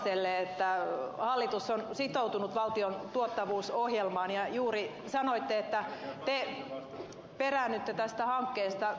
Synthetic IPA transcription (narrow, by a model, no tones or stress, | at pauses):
elːeet̪ːæhɑlːit̪usːonsit̪out̪unut̪ʋɑlt̪iont̪uot̪ːɑʋuːsohjelmɑːnjɑjuːri | sɑnoit̪ːeet̪ːæt̪e | peræːnːyt̪ːet̪æst̪æhɑŋkːeːst̪ɑ